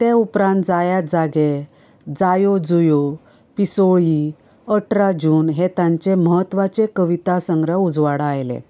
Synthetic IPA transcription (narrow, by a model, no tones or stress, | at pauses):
t̪eupɾãnt̪̚d͡zajad͡zaɡe | d͡zajod͡zujo | pisoji | əʈɾad͡ʑuːnɦet̪ãɲt͡ɕeməɦət̪ːʋat͡sekəʋit̪asəŋɡɾəud͡zʋaɽajlḛ